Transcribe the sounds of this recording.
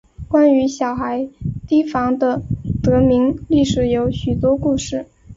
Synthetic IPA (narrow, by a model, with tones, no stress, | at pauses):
kwa˥ny˧˥ɕjɑ˨˩ʊxa˧˥ɪt̪i˥fɑ˧˥ŋd̪ə˧t̪ɤ˧˥mi˧˥ŋli˥˩ʂɻ̩˨˩jo˧˥ʊɕy˨˩t̪wɔ˥ku˥˧ʂɻ̩˥˩